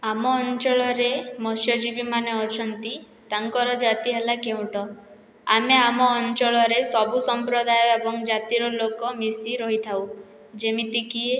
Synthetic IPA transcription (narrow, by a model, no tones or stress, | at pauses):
amɔːnt͡ʃɔɭɔɾemɔsjɔd͡ʒibimaneɔt͡ʃʰɔnt̪i | t̪aŋkɔɾɔd͡ʒat̪iɦelakeũʈɔ | a̰meamɔːnt͡ʃɔɭɔɾesɔbusɔmpɾɔd̪ʱajɔebɔŋd͡ʒat̪iɾɔlokɔmisiɾɔɦit̪ʰaw | d͡ʒemit̪ikie